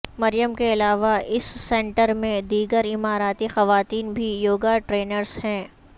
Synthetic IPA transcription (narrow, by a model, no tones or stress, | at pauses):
mɐɾɪjəmkeɪlaːʋaʔɪsːɛ̃ɳʈəɾmẽd̪iːɡəɾɪmaːɾaːt̪ixɐʋaːt̪iːnbʱijoːɡaʈɾeːnəɾzɦɛ̃ː